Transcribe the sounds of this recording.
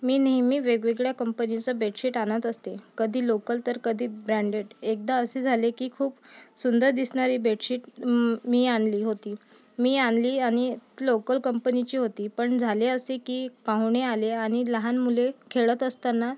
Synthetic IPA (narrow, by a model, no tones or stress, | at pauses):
miːnɦimiːʋeɡʋeɡɭjakəmpənit͡səbeʈɕiʈañət̪əst̪ekəd̪ʱiːlokəlt̪əɾkəd̪ʱiːbɾaɳɖeɽek̚d̪aəsed͡zʱalekiːkʰuːpsund̪əɾd̪isɳaɾiːbeʈɕiːʈmiːanliːɦot̪iː | miːanliːaɽ̃ilokəlkəmpənit͡ɕiːɦot̪iːpəɳd͡zʱaleəsekiːpãwɳealeaɽ̃iləɦanmulekʰeɭət̪əst̪anːa